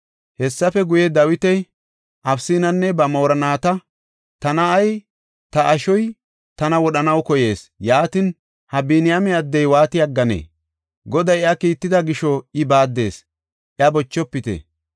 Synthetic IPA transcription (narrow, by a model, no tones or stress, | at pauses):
hɛsːɐfɛɡʊjɛd̪ɐwɪt̪ɛj | ʔɐfsiːnɐnːɛbɐmoːɾɐnaːt̪ɐ | t̪ɐnɐːj | t̪ɐʔɐʃɔj | t̪ɐnɐwɔɗɐnɐwkɔje̞ːsjaːt̪ɪn | hɐbinɪjɐmɛɐd̪ːɛjwaːt̪ɪjɐɡːɐnḛː | ɡɔd̪ɐjɪɐkiːt̪ːɪd̪ɐɡɪʃɔɪbaːd̪ːe̞ːs | ɪɐbɔt͡ʃːɔpːɪt̪ḛ